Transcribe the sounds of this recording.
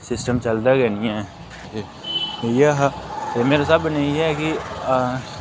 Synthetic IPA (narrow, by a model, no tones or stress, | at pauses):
sɪsʈəmt͡ʃɐlt̪aɡɛniɛ̃ | jaɦat̪emeːɾasɐbnɐ̃ĩɛki